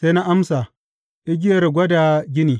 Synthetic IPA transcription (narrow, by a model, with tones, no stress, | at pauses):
se˦na˦ʔa˦msa˨ | ʔi˦ɡʲɪ˦jɐ˨ɾɡʷɐ˦da˨ɡʲɪ˦niː˨